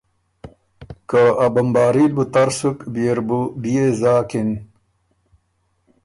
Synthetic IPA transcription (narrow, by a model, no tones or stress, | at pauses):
kaɐbɐmbaːɾilbut̪ɐɾsukbieɾbubijezaːkin